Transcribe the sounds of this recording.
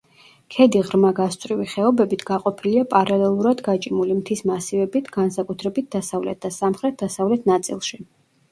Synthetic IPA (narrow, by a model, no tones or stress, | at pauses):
kʰɛd̪iʁɾmaɡast̪sʼɾiviχɛɔbɛbit̪ʰɡ̥aqʼɔpʰiliapʼaɾalɛlˠuɾad̪ɡat͡ʃʼimulimt̪ʰismasivɛbit̪ʰɡ̥ansakʼut̪ʰɾɛbit̪̚d̪asavlɛ̰t̪̚ʰd̪̥asamχɾɛt̪̚d̪asavlɛt̪ʰnat̪sʼḭlˠʃi